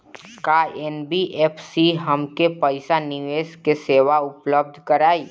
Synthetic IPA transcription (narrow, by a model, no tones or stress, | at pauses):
kaːeːnbiʔeːpʰsiɦɐmkepəɪsanɪʋeːskeseːʋaʊpləb̚d̪ʱkɐɾaːiː